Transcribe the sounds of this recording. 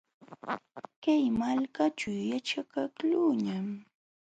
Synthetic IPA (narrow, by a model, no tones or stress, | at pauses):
kajmalkat͡ʃʊwjat͡ʃakakluːɲam